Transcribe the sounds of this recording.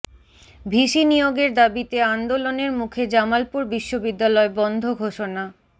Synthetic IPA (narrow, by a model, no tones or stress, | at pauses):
bʱiʃinijoɡeɾd̪abit̪eand̪oloneɾmukʰed͡ʑamalpuɾbiʃːobid̪ːalɔebɔnd̪ʱoɡʱoʃona